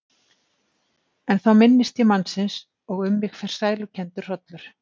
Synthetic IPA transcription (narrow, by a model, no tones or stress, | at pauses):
ɛnθawmɪnːɪst̪çɛmanːsɪns | ɔɣʏmːɪxfɛr̥saːjlʏcʰɛnt̪ʏɾ̥r̥ɔt̪lʏɾ̥